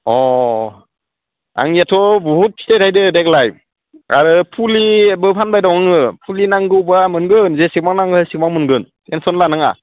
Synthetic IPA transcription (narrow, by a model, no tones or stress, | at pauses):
ɔ | a̰ŋijatʰɔbɔɦut̚pʰi̥tʰajtʰajdɯdek̚laj | a̰ɾɯpʰulibɯpʰanbajdawŋaŋɯpʰulinaŋɡɯwbamɯnɡɯnzesik̚maŋnaŋɡɯsik̚maŋmɯnɡɯn | ensɔnlanaŋa̰